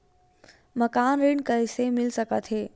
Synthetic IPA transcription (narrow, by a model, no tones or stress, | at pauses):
məkaːnɾiɳkəisemɪlsəkət̪ɦeː